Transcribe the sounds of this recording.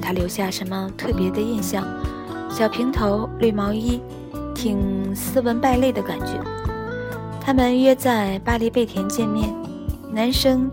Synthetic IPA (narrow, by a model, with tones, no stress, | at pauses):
t̪ʰa˥ljo˧˥ʊɕja˥˩ʂə˧˥nmə˧t̪ʰɤ˥˩pjɛ˧˥d̪ə˧i˥˧nɕjɑ˥˩ŋ | ɕjɑ˨˩ʊpʰi˧˥ŋt̪ʰo˧˥ʊlwe˥˩ɪmɑ˧˥ʊi˥ | t̪ʰi˨˩ŋsɹ̩˥wə˧˥npa˥˧ɪle˥˩ɪd̪ə˩ka˨˩nt͡ɕɥɛ̰˧˥ | t̪ʰa˥mə˨nɥɛ˥t͡sa˥˧˩ɪpa˥li˥˧pe˥˩ɪt̪ʰjɛ˧˥nt͡ɕjɛ˥˧nmjɛ˥˩n | na˧˥nʂɤ˥ŋ